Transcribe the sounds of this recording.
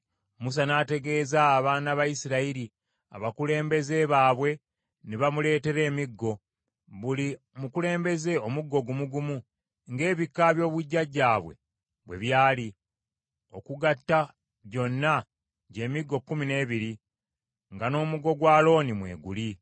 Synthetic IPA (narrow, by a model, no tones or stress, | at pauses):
mus̬anaːte̞ɡe̞ːzaːβaːnaβajisiɾaiɾi | a̰βakule̞ːmbe̞ze̞βaːβwe̞ | neβamule̞ːte̞ɾe̞ːmiɡːo̞ | βuli | mukule̞ːmbe̞ze̞omuɡːo̞ɡumuɡumu | ŋɡe̞ːβikːaβjo̞ːβuɟːaɟːaːβwe̞̰ | βwe̞̰βjaːli | o̞̰kuɡatːa | ɟo̞nːa | ɟe̞ːmiɡːo̞kːumine̞ːβiɾi | ŋɡano̞ːmuɡo̞ɡwaːlo̞ːnimwe̞̰ːɡuli